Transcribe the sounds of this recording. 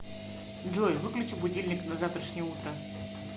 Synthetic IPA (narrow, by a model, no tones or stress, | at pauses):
ʐɔjvɨklʲʊt͡ɕɪbudʲilʲnʲɪknɐzaft̪ɾɐʂnʲiut̪ɾa